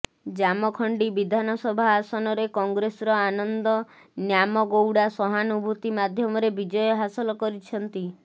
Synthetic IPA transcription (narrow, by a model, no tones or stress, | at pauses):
d͡ʒamɔkʰɔɳɖibid̪ʱanɔsɔbʱaːsɔnɔɾekɔŋɡɾesɔɾɔanɔnd̪ɔ | njamɔɡowɽasɔɦanubʱut̪imad̪ʱjɔmɔɾebid͡ʒɔjɔɦasɔlɔkɔɾit͡ʃʰɔnt̪i